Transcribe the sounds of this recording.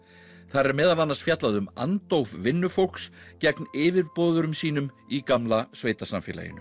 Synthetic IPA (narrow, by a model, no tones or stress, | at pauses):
θaɾɛɾmɛːðalanːasfjat̪laðʏma̰nt̪owvvɪnːʏfow̪̥kscɛknɪːvɪɾpɔːðʏɾʏmsiːn̪ʏm | ikamlasveːjt̪asamfɪ̰ːla̰jɪ̰nʏ